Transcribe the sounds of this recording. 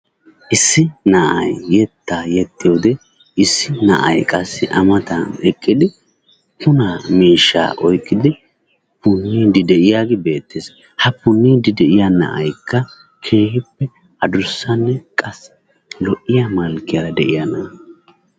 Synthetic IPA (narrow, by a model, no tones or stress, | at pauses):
ʔɪsːɪnɐʔɐ̰jːɛt̪ːaːjɛt̪ːɪjoːd̪ɛ | ɪsːɪnɐ̰ʔɐ̰jkʼɐsːɪʔɐmɐt̪ɐnɛkʼːɪd̪ɪ | pʊnamiːʃːa̰ːʔɔjkʼːɪd̪ɪ | pʊnːiːd̪ɪd̪ɛʔɪjaːɡɪbe̞ːt̪ːeːs | hɐpʊnːiːd̪ɪd̪ɛʔɪjanɐ̰ʔɐ̰jkʰːɐ | kʰe̞ːhɪpːɛ | ɐd̪ʊɾʊsːɐnːɛkʼɐs | lɔʔːɪjɐmɐlkːɪjɐɾɐd̪ɛʔɪjɐnɐ